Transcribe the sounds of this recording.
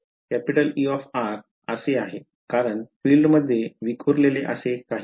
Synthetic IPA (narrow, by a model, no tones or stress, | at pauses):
kɛpiʈəliɔfaɾ | əseaɦe | kaɾəɳfiːlɖməd̪ʱːjeʋikʰuɾleleʔə̰sekaɦi